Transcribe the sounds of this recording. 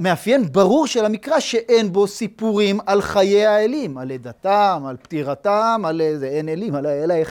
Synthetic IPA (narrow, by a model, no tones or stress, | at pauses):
me̞afje̞nbaʁuʁʃelhamikʁaʃeʔenbo̞sipuʁimalχaje̞jaelimaled̪atamalptiʁatamalezeenelimalaelae